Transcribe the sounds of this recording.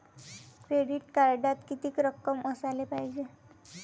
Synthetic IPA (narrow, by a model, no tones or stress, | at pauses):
kɾeɽiʈkaɾɖat̪kit̪iːkɾəkːəmʔəsalepajd͡ʑe